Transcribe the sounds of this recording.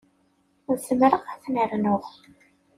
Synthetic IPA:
ʊɾsəmɾəʁæθnəɾnʊʁ

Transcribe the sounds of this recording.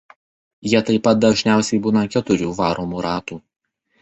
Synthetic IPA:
jiɛt̪ɐɪpɐt̪̚d̪ɐʒʲnʲæˑʊsʲɛɪbuːnɐkʲɛt̪ʊɾʲuːʋɑːɾʔoːmuːɾɑːt̪uː

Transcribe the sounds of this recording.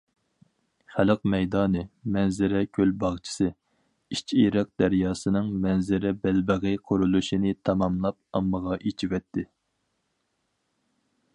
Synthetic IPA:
χæləqmɛjd̪ɑːnɨmɛnzɪɾɛkʲʰølbɑʁt͡ʃʰɪ̥sɨ | it͡ʃʰiɾɨq̚d̪æɾjɑːsɨnɨŋmɛnzɪɾɛbælbəʁɨqʰoɾulˠuʃinɪt̪ʰɑmɑmlˠɑp̚ɑmːəʁɑʔet͡ʃʰiwɛt̪ʰːɪ

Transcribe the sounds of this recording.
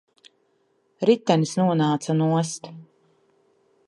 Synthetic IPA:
ɾit̪ːɛnisnuɔnaːt̪sanuɔst̪

